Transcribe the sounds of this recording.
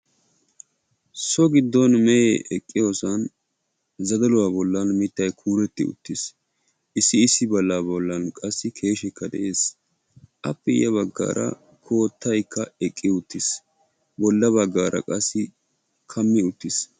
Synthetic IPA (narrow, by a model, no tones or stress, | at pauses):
sɔɡɪd̪ːɔnmɛjeʔɛkʼːɪjoːsɐn | zɐd̪ɐlʊwaːbɔlːɐnmɪt̪ːɐjkʰuːɾɛt̪ːɪʊ̰t̪ːɪs | ʔɪsːɪɪsːɪbɐlːaːbɔlːɐnkʼɐsːɪkʰe̞ːʃɛkːɐd̪ɛʔe̞ːs | ʔɐpːɛjɐβɐɡːa̰ːɾʔɐ̰ | kʰo̞ːt̪ʰːɐjkːɐɛkʼːɪʊt̪ːɪs | bɔlːɐβɐɡːaːɾʔɐ̰kʼɐsːɪ | kʰɐmːɪʊt̪ːɪs